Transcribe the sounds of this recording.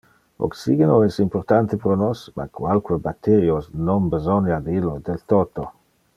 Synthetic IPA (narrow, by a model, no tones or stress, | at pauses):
o̰ksiɡenoɛsimpoɾt̪ant̪epɾonosma̰kwalkwebat̪ːeɾjosnombezonjad̪ilːod̪elt̪oːt̪o